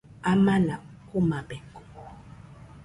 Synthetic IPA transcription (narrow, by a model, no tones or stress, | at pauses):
amanakumabɛŋko